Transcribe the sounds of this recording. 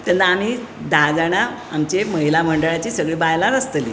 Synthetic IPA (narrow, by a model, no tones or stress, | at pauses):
t̪at̪əam̤iːd̪ad͡zaɽ̃aamt͡ɕeməɦilam̤əɳɖəɭjat͡ɕiːsəɡɭiːbajlaɾəst̪əlḭ